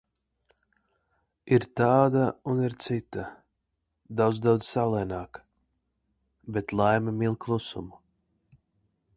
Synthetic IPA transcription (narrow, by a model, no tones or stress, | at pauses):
iɾt̪aːd̪auniɾt̪sit̪a | d̪awd̪zd̪awd̪z̥salˠɛjnaːk | bet̪lˠajmamilˠkʰlˠusṵmu